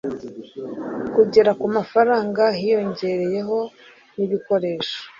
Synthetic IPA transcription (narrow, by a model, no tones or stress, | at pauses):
kuɟe̞ɾakumafaɾaːŋɡahijo̞ɲɟe̞ɾe̞je̞ɦo̞ | niβiko̞ɾe̞ːʃo̥